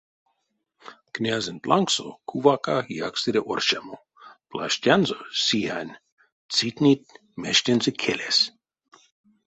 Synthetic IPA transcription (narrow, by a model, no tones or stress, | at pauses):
knʲazent̪lʔaŋksokʰuvakajaksiɾʲeʔo̰rʃamo | pla̰ʃtʲanzosihanʲ | t͡sit̪ʲnʲit̪̚ | meʃt̪ʲenzɨkʰelʲes